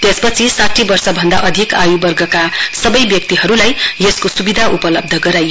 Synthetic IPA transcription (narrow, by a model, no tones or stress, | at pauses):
t̪jespʌt͡sʰisaʈʰibʌrsʌbʱʌnd̪a̰ʔʌd̪ʱikajubʌrɡʌkasʌbʌjbjʌk̚t̪iɦʌɾulajjeskosubid̪ʱaʔupʌlʌb̚d̪ʱʌɡʌɾaj